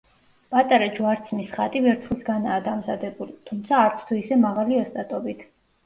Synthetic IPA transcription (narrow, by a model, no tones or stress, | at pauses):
pʼat̪ʼaɾad͡ʒuaɾt̪sʰmisχat̪ʼivɛɾt̪sʰχlˠsɡanaːd̪amzad̪ɛbulit̪ʰumt̪sʰaːɾt̪sʰt̪ʰuisɛmaʁaliɔst̪ʼat̪ʼɔbit̪ʰ